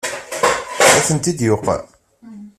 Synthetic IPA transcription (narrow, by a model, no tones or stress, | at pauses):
æθənt̪id̪joqː